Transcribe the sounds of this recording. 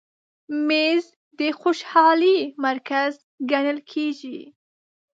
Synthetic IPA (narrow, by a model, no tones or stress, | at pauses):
mez | d̪əxoʃhɑlimaɾkaz | ɡanəlkʰeʒi